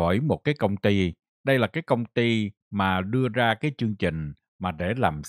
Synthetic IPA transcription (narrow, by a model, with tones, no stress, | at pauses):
o˧˩jmo˨˩t̚kaː˨˦jkə˧wŋ͡mt̪i˧ | ɗə˧jlaː˨˩kaː˨˦jkə˧wŋ͡mt̪i˧ | maː˨˩ɗɨ˧əzaː˧kaː˨˦jt͡ɕɨ˧əŋt͡ɕï˨˩ŋ̟ | maː˨˩ɗe˧˩laː˨˩m